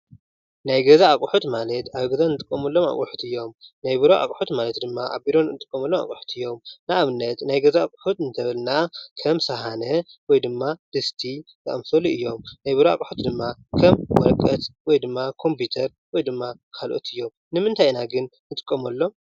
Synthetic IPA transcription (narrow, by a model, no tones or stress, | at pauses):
najɡɐzaːkʼuħut̪malɐt̪aβɡɐzanɨt̪ʼɨ̥kʼːɐmɐlːo̞ma̰kʼuħu̥t̪ɨjːo̞mnajbɨɾoʔa̰kʼħut̪malɐt̪d̪ɨmːaʔa̰βbiɾo̞nnɨt̪ʼɨ̥kʼːɐmɐlːoma̰kʼuħu̥t̪ʰɨjːo̞mnaaβnːɐt̪najɡɐzaːkʼħut̪ɨnt̪ʰɐβɨlnakʰɐmsɐɦanɐwɔjd̪ɨmːad̪̥ɨst̪ʰit̪ɐʔɐmfoliɨjːo̞mnajbɨɾoa̰kʼħut̪d̪ɨmːakʰɐmwɔ̰lɐkʼːɐt̪wɔjd̪ɨmːakʰo̞mpʰut̪ʰɐɾ | wɔjd̪ɨmːakʰalʔo̞̰t̪ʰɨjːo̞m | nɨmɨnt̪ʰajnaɡɨnnɨt̪ʼɨkʼːɐmɐlːo̞